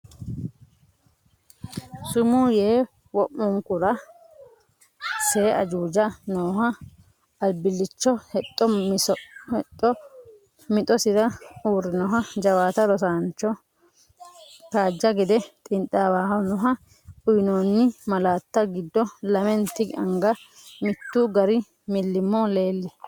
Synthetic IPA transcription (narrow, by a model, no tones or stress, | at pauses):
sʊmuːjeː | wɔʔːʊŋkʊɾɐ | seːʔɐd͡ʒuːd͡ʒɐnoːhɐ | ɐlbɪlːɪt͡ʃːɔhɛt̪ʼːɔmɔɛt̪ʼːɔ | mɪt̪ʼɔsɪɾɐuːɾːɪnɔɦɐd͡ʒɐwaːt̪ɐɾɔsaːnt͡ʃːɔ | t̪aːd͡ʒːɐɡɛd̪ɛt̪ʼɪnt̪ʼːawaːɦɐnɔɦɐ | ʊjnoːnːɪmɐlaːt̪ːɐɡɪd̪ːɔlɐmɛnt̪ɪɡɐŋɡɐ | mɪt̪ːuːɡɐɾɪ | mɪlːɪmːɔːle̞ːlːɛ